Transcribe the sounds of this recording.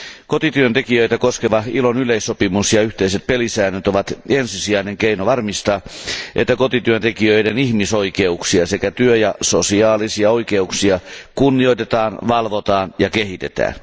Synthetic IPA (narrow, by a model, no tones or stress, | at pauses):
kot̪it̪yønt̪ekijøit̪ækoskeʋɑhilonyleisːopimusjɑyht̪eiset̪̚pelisæːnøt̪oʋɑt̪ensisiæineŋkeinoʋɑrmist̪ɑːʔḛt̪ːækot̪it̪yønt̪ekiøidenihmisoikeuksiɑsekæt̪yøjɑsosiɑːlisiɑoikeuksiɑkunːioit̪et̪ɑːnʋɑlʋot̪ɑːnjɑkehit̪et̪æ̰ːn